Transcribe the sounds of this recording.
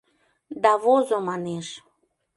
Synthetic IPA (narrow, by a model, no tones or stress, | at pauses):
d̪ɑβozomɑneʃ